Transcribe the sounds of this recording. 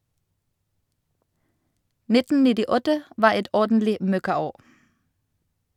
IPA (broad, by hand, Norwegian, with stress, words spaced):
ˈnɪtn̩ nɪdɪˈɔtə ˈʋɑː ˈɛt ˈɔʁdn̩lɪ ˈmœkɑˌoː